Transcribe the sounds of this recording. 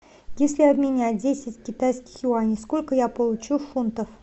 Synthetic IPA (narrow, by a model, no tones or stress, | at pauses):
jesʲlʲɪɐbmʲɪnʲadʲesʲɪtʲkʲɪt̪ajskʲɪ̥xjʊanʲɪsko̞lʲkəjapəlˠʊt͡ɕufunt̪əf